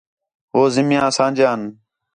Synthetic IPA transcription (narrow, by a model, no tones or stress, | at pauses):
ɦoːzɪmjãːsãːnd͡ʒjãːn